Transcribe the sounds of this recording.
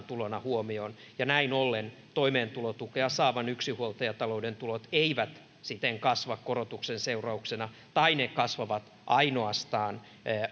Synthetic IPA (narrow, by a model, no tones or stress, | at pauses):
nt̪ulonɑhuomion | jɑnæinolːent̪oimeːnt̪ulot̪ukeɑsɑːʋɑnyksihuolt̪ɑjɑt̪ɑloudent̪ulot̪eiʋæt̪ | sit̪eŋkɑsʋɑkkorot̪uksenseurɑuksenɑ | t̪ɑinekɑsʋɑʋɑt̪ | ʔɑinoɑst̪ɑːnː